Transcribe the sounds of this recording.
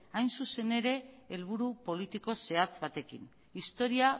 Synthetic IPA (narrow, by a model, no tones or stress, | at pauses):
ajnsuse̞ne̞ɾe̞ːlβ̞uɾupo̞lit̪iko̞se̞at͡sβat̪e̞kḭn | ist̪o̞ɾia